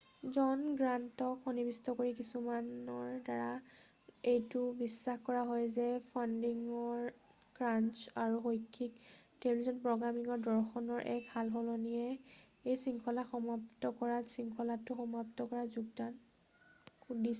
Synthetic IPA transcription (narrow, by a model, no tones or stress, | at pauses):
zɔnɡɹantɔkxɔnibistɔkoɹikisumanɔɹdaɹa | ejtʊbisːaxkɔɹaɦɔjzɛpʰandiŋɔɹ | ɡ̥ɹant͡ʃaɹuxojkʰːik̚telizɔnpɹɔɡɹamiŋɔɹdɔɹxɔnɔɹʔɛ̰khalɦɔlɔnijɛ | ejsiŋkʰɔlaxɔmap̚tɔkɔɹasiŋkʰɔlatʊxɔmaptɔkɔɹazuɡdan | dis